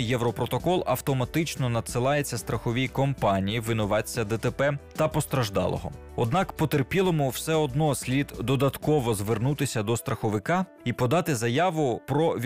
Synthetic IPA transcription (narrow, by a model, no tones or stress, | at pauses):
jjɛwɾɔpɾɔt̪ɔkɔlˠɐwt̪ɔmɐt̪ɪt͡ʃnɔnɐd̪sɪlˠɑjet͡sʲːɐst̪ɾɐxɔʋʲijkɔmpɑnʲijiʋɪnʊʋɑt͡sʲːɐd̪ɛt̪epɛt̪ɐpɔst̪ɾɐʒd̪ɑ̰lˠɔ̰ɦɔ̰ | ɔ̰d̪nɑkpɔt̪erpʲilˠɔmʊwsɛɔd̪nɔsʲlʲid̪d̪ɔd̪ɐt̪kɔʋɔzʋernut̪ɪsʲɐd̪ɔst̪ɾɐxɔʋɪkɑ | ipɔd̪ɑt̪ɪzɐjɑʋʊpɾɔʋʲ